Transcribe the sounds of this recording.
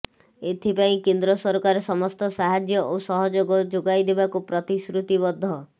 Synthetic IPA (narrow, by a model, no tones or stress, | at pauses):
et̪ʰipaĩkend̪ɾɔsɔɾkaɾesɔmɔst̪ɔsaɦad͡ʒjɔʔosɔɦɔd͡ʒoɡɔd͡ʒoɡajd̪ebakupɾɔt̪iskɾut̪ibɔd̪ʱːɔ